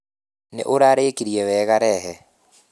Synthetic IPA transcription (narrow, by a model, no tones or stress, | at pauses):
nḛʔoɾaɾeːkiɾiɛwɛɣaɾɛɦɛ